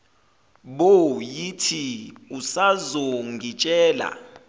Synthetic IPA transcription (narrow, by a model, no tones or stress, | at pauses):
ɓojitʰiusazɔŋɡit͡ʃʼɛːla̰